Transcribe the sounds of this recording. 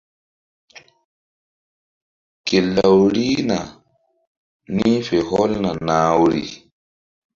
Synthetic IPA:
ke˨lːa˨wɾi˦na˨ | ni˦fe˨hɔ˦lna˨naː˨˦wɾḭ˨

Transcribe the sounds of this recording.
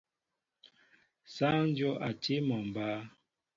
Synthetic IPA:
sa˦n˦d͡ʒɔ˦ʔa˨te˦mɔ˨m˨ba˦

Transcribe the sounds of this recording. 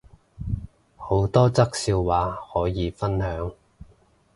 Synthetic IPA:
ho˨˥wt̪ɔː˥t͡sɐ˥k̚siː˧wwaː˨˥hɔː˨˥jiː˨˧fɐ˥nhœː˨˥ŋ

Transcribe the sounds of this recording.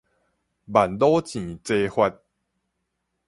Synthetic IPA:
ba˨˩nlo˦t͡ɕĩ˨t͡se˦hwa˧t̚

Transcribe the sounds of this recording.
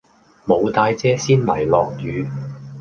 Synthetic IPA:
mo˨˧wt̪aː˧jt͡sɛː˥siː˥nlɐ˨˩jlɔː˨˧k̚jyː˨˧

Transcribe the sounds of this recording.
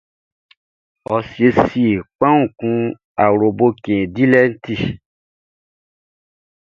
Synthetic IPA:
ɔ˨si˨e˨si˦e˨k͡pã˦ŋũ˨kũ˦ | a˨wɾo˨bo˦kẽ˨di˦lɛ˦n̩˦ti˦˨

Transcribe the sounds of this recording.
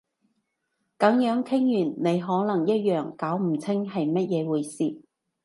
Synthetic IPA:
kɐ˨˥ŋjœː˨˥ŋkʰɪ˥ŋjyː˨˩nne˨˧jɦɔː˨˥nɐ˨˩ŋjɐ˥t̚jœː˨˩ŋkaː˨˥wm̩˨˩t͡sʰɪ˥ŋhɐ˨jmɐ˥t̚jɛː˨˧wuː˨˧jsiː˨

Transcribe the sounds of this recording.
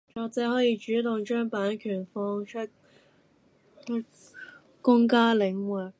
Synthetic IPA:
t͡ʃɔː˨˧k̚t͡sɛː˨˥ɦɔː˨˥jiː˧t͡ʃyː˨˥t̪ʊ˨ŋt͡ʃœː˥ŋpaː˨˥nkʰyː˨˩nfɔː˥ŋt͡ʃʰɵ˥t̚ | kʊ˥ŋkaː˥lɪ˨˥ŋwɛ˨˩k̚

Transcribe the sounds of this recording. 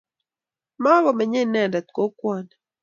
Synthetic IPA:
ma˦βɔ˨mɛ˨ɲe˦˨nɛ˨da˨t̚ko˨˦kwɔ˦˨nɛ˨

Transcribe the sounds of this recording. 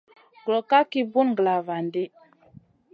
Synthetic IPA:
ɡlo˨ka˦ki˦bu˦nŋɡla˨va˨ndi˦

